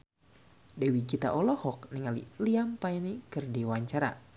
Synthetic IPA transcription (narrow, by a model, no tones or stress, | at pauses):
dɛwiɡit̪a̰ʔɔlɔhɔk̚niŋalḭliampainikɨrdewaɲt͡ʃaɾa̰